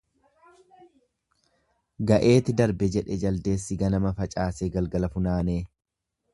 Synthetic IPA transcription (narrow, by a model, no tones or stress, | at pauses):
ɡɐʔe̞ːt̪ɪd̪ɐɾbɛd͡ʒɛᶑɛd͡ʒɐld̪e̞ːsːɪɡɐnɐmɐfɐt͡ʃʼaːseːɡɐlɡɐlɐfʊnaːneː